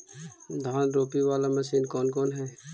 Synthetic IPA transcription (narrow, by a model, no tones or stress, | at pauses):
d̪ʱaːnɾoːpiʋaːlamɐsiːnkɔːnkɔːnɦɛː